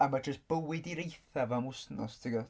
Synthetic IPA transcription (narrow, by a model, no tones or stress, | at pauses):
amad͡ʒəsb̥əwɪdiɾejθavamʊsnɔ̰stʰɪɡɔ